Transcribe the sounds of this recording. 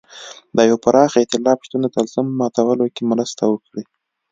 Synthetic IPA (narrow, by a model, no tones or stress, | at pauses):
d̪əjwapaɾɑxɪt̪ɪlɑpʃt̪und̪ot̪alzəmːɑt̪awəlokemɾəst̪awəkɽi